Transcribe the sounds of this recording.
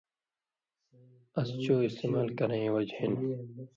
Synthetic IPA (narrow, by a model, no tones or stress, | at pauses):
ɐst͡ɕoːist̪eːmaːlkɐɾẽĩwɐd͡ʑhin